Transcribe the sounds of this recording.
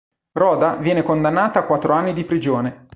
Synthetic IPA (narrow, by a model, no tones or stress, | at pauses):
rɔːd̪avjɛːnekond̪anːaːt̪aːkːwat̪ːɾoanːid̪ipɾid͡ʒoːne